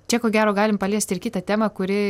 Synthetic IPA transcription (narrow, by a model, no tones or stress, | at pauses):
t͡ʃʲɛkoːɡʲæːɾoːɡɑːlʲɪmpɐlʲiɛsʲt̪ɪrkʲiːt̪ɐt̪ʲæːmɐkʊɾʲɪ